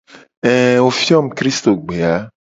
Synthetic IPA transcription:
ɛ̃˨o˨fi˦ɔ˦m̩˨kɾi˦st̪o˨ɡ͡be˨a˨˦

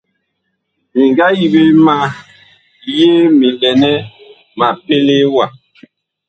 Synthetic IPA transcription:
mi˨ŋɡa˦ji˨be˦ma˦ | lje˦mi˨lɛ˨nɛ˦ | ma˨pe˦le˦wa˨

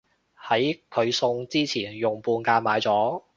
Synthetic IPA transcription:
hɐ˨˥jkʰɵ˨˧ɥsʊ˧ŋt͡siː˥t͡sʰiː˨˩njʊ˨ŋpuː˧nkaː˧nmaː˨˧jt͡sɔː˨˥

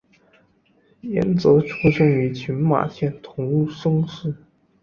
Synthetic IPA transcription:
jɛ̰˧˥nt͡sɤ˧˥ʈ͡ʂʰu˥ʂɤ˥ŋy˧˥t͡ɕʰy˧˥nma̰˨˩ɕjɛ˥˩nt̪ʰʊ˧˥ŋu˥˩ʂɤ˥ŋʂɻ̩˥˩

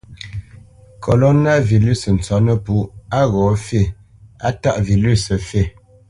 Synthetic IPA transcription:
kʰo˨lo˦na˦˨vi˨ly˦˨sn̩˨t͡sɔ˨˦nə˦pu˨˦a˦ɣɔ˨˦fe˦˨ | a˦ta˦ʔvi˨ly˦˨sə˨fe˦˨

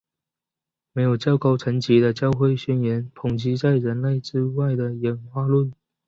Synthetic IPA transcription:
me˧˥ɪjo˨˩ʊt͡ɕjɑ˥ʊko˥ʊʈ͡ʂʰə˧˥ŋt͡ɕi˧˥d̪ə˧t͡ɕjɑ˥˧ʊxwe˥˧ɪɕɛ˥˩njɛ˧˥npʰʊ˨˩ŋt͡ɕi˧˥t͡sa˥˩ɪɻə˧˥nle˥˩ɪʈ͡ʂɻ̩˥wa˥˩ɪd̪ə˩jɛ˧˥nxwa˥˧lwə˥˨n

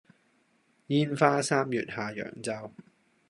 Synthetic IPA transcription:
jiː˥nfaː˥saː˥mjyː˨t̚haː˨˩jœ̰ː˨˩ŋt͡sɐ˥w

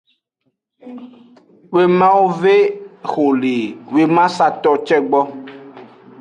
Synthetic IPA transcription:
we˦mã˦wo˦ve˦xo˨le˨we˦mã˦sa˨t̪ɔ˦t͡ʃɛ˦ɡ͡bɔ˦

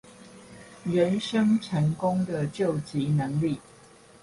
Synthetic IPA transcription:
ɥɛ˨˦nʂə˦ŋʈ͡ʂʰə˨˥ŋkʊ˦ŋd̪ə˨t͡ɕjo˥˨ʊt͡ɕi˨˦nə˨˦ŋli˥˨

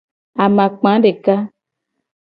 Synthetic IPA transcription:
a˨mã˨k͡pã˨˦ɖe˨ka˦

